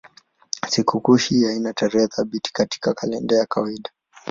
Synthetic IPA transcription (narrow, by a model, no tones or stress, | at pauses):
sikukuʃiainataɾɛhɛθaɓiti̥kati̥kakʰalɛndɛjakawaiɗḁ